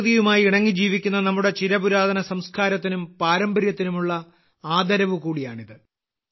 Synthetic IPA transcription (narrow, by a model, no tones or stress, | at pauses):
ðijumaːjiiɳɐŋːid͡ʑiːʋikʲːunːɐnɐmːuɽe̞t͡ɕiɾɐbuɾaːd̪ʱɐnɐsɐmskaːɾɐt̪̬ːinumpaːɾɐmbɐrjɐt̪ːinumuɭːɐ | aːd̪ɐɾɐʋɨkuːɽijaːɳiðɨ